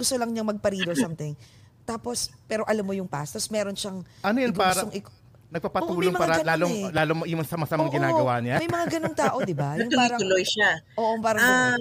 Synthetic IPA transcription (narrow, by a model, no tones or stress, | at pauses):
ɡʊst̪olɐŋɲɐŋmɐɡ̚pɐɾiːd̪osamt̪ɪŋ | t̪aːpo̞spɛːɾo̞ʔɐlɐmːojʊŋpa̰st̪osmɛːɾonʃɐŋʔɐnojɐnɡppaɡːɡsɾɐoŋʔɪko | nɐɡ̚papɐt̪ːuːɐloŋmɐŋaːaɾɐlaːloŋlaːlomojʊmŋsɐmɐsɐmaŋɡɪnaːɡɐwaːʔnamɐjmɐŋaɡɐnoŋt̪aːʔo̞d̪ɪbajɐʊŋt̪ʊpaiɾɐt̪ʊlojʃaʔoːʔopaːɾɐŋ